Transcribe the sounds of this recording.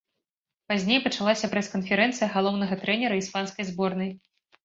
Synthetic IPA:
pazʲnʲejpɐt͡ʂalˠasʲɐpɾɛskɐnfʲɛɾɛnt̪sɨjɐɣalˠɔwnɐɣɐt̪ɾɛnʲɛɾɐispanskɐjzbɔrnɐj

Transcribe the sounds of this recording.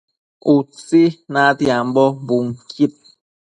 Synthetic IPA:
usinatjam̩bɔbuŋkʰit̚

